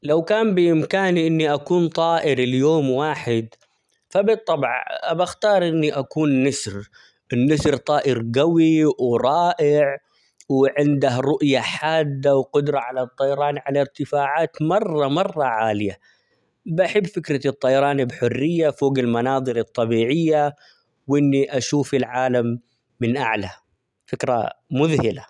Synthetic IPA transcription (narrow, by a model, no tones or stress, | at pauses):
lawkaːmbɪʔɪmkaːniʔɪnːiʔakuːnt̪ˤɑːʔɪɾɪljoːmwaːħɪd̪ | fabɨt̪ˤːɑbʕʔabaxt̪ɑːɾˤʔɪnːiʔakuːnːasɾ | ʔɪnːasɾt̪ˤɑːʔɪɾɡawiwɾˤɑːʔɪʕ | wʕɪnd̪ahɾˤʊʔjaħaːd̪ːawqʊd̪ɾˤɑʕalat̪ˤːɑjɑɾˤɑːnʕalaɾt̪ɪfaːʕaːt̪mɑrˤːɑmɑrˤːɑʕaːlɪja | bʔaħɪbːfɪkɾɑt̪ˤːɑjɑɾˤɑːnbħʊrːɪjːafoːɡɪlmɑnɑːðˤɨɾɨt̪ˤːɑbiːʕɪjːa | wʔɪnːiʔaʃuːfɪlʕaːlamː | ɪnʔa̰ʕla | fɪkɾˤa̰mʊðhɪla